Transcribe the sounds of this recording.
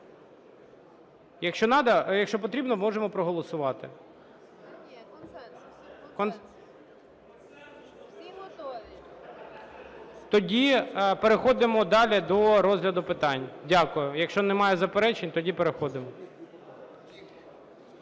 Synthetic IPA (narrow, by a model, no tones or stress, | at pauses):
jɐkʃt͡ʃɔnɑd̪ɐjɐkʃt͡ʃɔp̬ɔt̪ɾʲibnɔmɔʒemɔpɾɔɦɔlˠɔsʊʋɑt̪ɪ | kɔn | t̪ɔdʲipeɾexɔd̪ɪmɔd̪ɑlʲid̪ɔɾɔzɦlʲɐd̪ʊpɪt̪ɑnʲdʲakʊjʊjɐkʃt͡ʃɔnɛmɑjɛzɐpeɾɛt͡ʃenʲt̪ɔdʲipeɾexɔd̪ɪmɔ